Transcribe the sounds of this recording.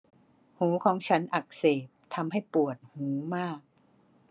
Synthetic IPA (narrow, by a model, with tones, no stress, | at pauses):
huː˩˦kʰɔː˩˦ŋt͡ɕʰa˦˥nʔa˨˩k̚seː˨˩p̚t̪ʰa˧mha˥˩jpu˨˩ət̪̚huː˩˦maː˥˩k̚